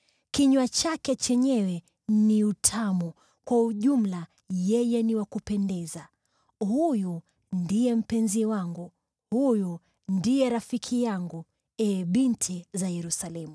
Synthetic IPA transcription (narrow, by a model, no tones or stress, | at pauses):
kiɲwat͡ʃakɛt͡ʃɛɲɛwɛ | niutʰamu | kwauʄum̩la | jɛjɛniwakupɛndɛza | huju | ndijɛm̩pɛnziwaŋɡu | huju | ndijɛɾafikʰijaŋɡu | ɛɓintʰizajɛɾusalɛmu